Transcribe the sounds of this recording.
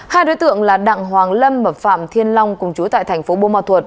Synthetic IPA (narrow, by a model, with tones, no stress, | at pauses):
haː˧jɗo˨˦jt̪ɨ̰˧˨əŋlaː˨˩ɗa̰ː˧˨ŋɦwaː˨˩ŋlə˧mɓə˨˩p̚fa̰ː˧˨mt̪ʰi˧ənla˧wŋ͡mkʊ˨˩ŋ͡mt͡ɕu˨˦t̪a̰ː˧˨jt̪ʰɛ˨˩ŋ̟fo˨˦ɓo˧maː˧˩t̪wə˨˩t̚